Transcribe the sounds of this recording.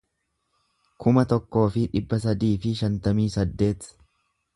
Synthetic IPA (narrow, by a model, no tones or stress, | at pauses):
kʰʊmɐt̪ɔkːo̞ːfɪᶑɪbːɐs̬ɐd̪iːfɪʃɐnt̪ɐmiːsɐd̪ːe̞ːt̪